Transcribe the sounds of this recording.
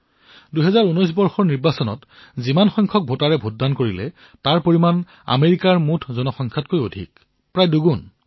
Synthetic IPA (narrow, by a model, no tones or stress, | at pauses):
duɦɛzaɹunɔjs̬bɔɹxɔɹniɹbasɔnɔ̰t | zimanxɔjŋkʰɔk̚bʱotaɹɛbʱoddankoɹilɛ̰ | taɹpoɹiman | a̰meɹikaɹmutʰzɔnɔxɔŋkʰat̚kojodʱḭk̚ | pɹajduɡun